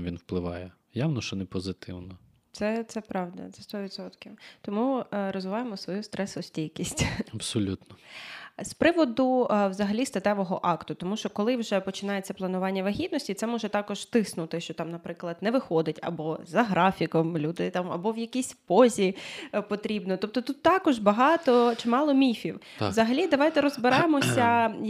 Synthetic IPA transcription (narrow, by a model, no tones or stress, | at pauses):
ʋʲinwplˠɪʋɑjɛ | jawnɔʃt͡ʃɔnɛpɔzɪt̪ɪwnɔ | t̪sɛt̪sɛpɾɑwd̪ɐ̰t̪sɛst̪ɔʋʲid̪sɔt̪kʲiwt̪ɔmuɾɔzʋɪʋɑjemɔsʋɔjust̪ɾɛsɔsʲtʲijʲkʲisʲtʲɐbsɔlʲut̪nɔspɾɪʋɔd̪ʊwzɐɦɐlʲist̪ɐt̪ɛʋɔɦɔʔɑkt̪ʊt̪ɔmuʃt͡ʃɔkɔlˠɪwʒɛpɔt͡ʃɪnɑjet͡sʲːɐplˠɐnʊʋɑnʲːɐʋɐɦʲid̪̚nɔsʲtʲit̪sɛmɔʒɛt̪ɑkɔʒt̪ɪsnʊt̪ɪʃt͡ʃɔt̪ɑmnɐpɾɪklˠɐd̪nɛʋɪxɔd̪ɪtʲɐ̰bɔzɐɦɾɑfʲikɔmlʲud̪ɪt̪ɑmɐ̰bɔʋjɐkʲisʲpɔzʲipɔt̪ɾʲibnɔt̪ɔp̚t̪ɔt̪ut̪ːɑkɔʒbɐɦɑt̪ɔt͡ʃɪmɑlˠɔmʲifʲiw | zɐɦɐlʲid̪ɐʋɑjt̪ɛɾɔzbɪɾɑjemɔsʲɐ